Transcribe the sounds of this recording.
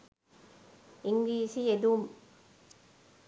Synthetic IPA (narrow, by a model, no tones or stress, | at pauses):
ɪŋɡliːsied̪um